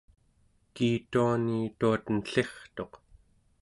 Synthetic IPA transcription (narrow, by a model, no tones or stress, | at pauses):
kiːt̪uaniːt̪uat̪ənɬe̞χt̪o̞q